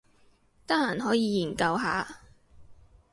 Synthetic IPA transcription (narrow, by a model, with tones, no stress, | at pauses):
t̪a˥laː˨˩nɦɔː˨˥jiː˨˧jiː˨˩nkɐ˧wɦa̰ː˨˧